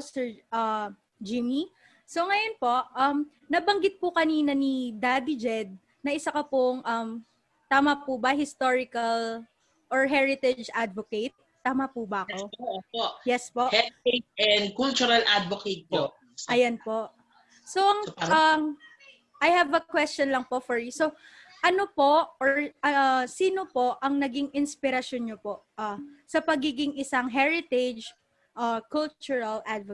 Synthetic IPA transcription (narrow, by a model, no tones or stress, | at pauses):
sɛɹʔɐ | d͡ʒimi | soŋɐjonpo̞ʔʔɐm | nɐbɐŋɡɪt̪̚pʊkɐniːnɐnid̪ad̪id͡ʒɛd̪̚ | nɐʔɪsɐkɐpoŋʔɐm | t̪aːmɐpubɐɦɪst̪oɹɪkɐl | ʔɔɹɦɛɹɪt̪ɪd͡ʒʔad̪voket̪̚ːaːmɐpubɐʔɐkopojɛspoʔhɛd̪̚etɛnd̪̚kult͡ʃʊɾɐlʔad̪voket̪̚po | ɐjɐnpo̞ʔ | soɐŋɐm | ʔɐjhɐvɐkwɛstt͡ʃɔnlɐŋpo̞ʔfɔɹjʊso | ʔɐnopo̞ʔoɹɐɐsiːnopo̞ʔʔɐŋnɐɡɪŋɪnspɪɾɐʃjonɲopo̞ʔʔasɐpɐɡiːɡɪŋʔɪsaŋɦɛɹɪt̪ɛd͡ʒ | ʔɐkʊlt͡ʃʊɹɐlʔad̪v